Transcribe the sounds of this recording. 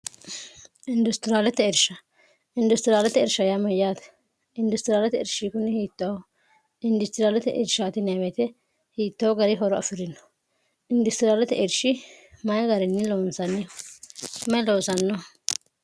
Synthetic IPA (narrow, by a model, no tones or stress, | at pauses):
ɪnd̪ʊst̪ɪɾaːlɛt̪ɛɪɾʃɐ | ɪnd̪ʊst̪ɪɾaːlɛt̪ɛɛɾʃɐjamɐjaːt̪ɛ̥ | ɪnd̪ʊst̪ɪɾaːlɛt̪ɛɛɾʃikʊnːɪhiːt̪ːɐwɔ | ɪnd̪ʊst̪ɪɾaːlɛt̪ɛʔɪ̰ɾʃaːt̪ɪnɛwɛt̪ɛ | hiːt̪ːɐwɔɡɐɾɪɦɔɾɔɐ̰fɪɾɪnːɔ̥ | ɪnd̪ʊst̪ɪɾaːlɛt̪ɛʔɪɾʃɪmɐjɡɐɾɪnːɪlɔnsɐnːɪ | mɛlɔːsɐnːɔ